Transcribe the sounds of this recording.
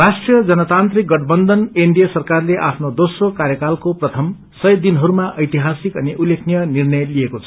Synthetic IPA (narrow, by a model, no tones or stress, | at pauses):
rasʈrijʌd͡zʌnʌt̪ant̪rik̚ɡʌʈbʌnd̪ʱʌneɳɖijʌsʌrkarleʔa̰pʰnod̪osrokaɾjʌkalkoprʌt̪ʰʌm | sʌjd̪inɦʌɾumaʔʌjt̪iɦasikʌniʔulːekʰnijʌnirnʌjliekot͡sʰʌ